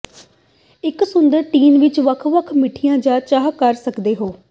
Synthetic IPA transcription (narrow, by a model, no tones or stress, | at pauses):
ɪksʊnd̪əɾʈiːnʋɪt͡ʃʋəkʰʋəkʰmɪʈʰijãːd͡ʒaːt͡ʃaːɦkəɾsəkd̪eːɦoː